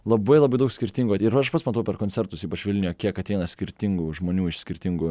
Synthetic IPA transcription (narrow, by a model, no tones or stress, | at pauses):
lˠɐbɐɪlˠɐbɐɪd̪ɐʊksʲkʲɪɾʲt̪ʲɪŋɡʊɪɾɐɪʃpɐt̪smɐt̪ɐʊpʲɛrɾkonʲsʲɛɾt̪ʊsiːpɐt͡ʃʋʲɪlʲnʲɪjoːkʲiɛkɐt̪ʲɛɪnɐsʲkʲɪɾʲt̪ʲɪŋɡuʒmoːnʲuːɪʃsʲkʲɪɾʲt̪ʲɪŋɡʊ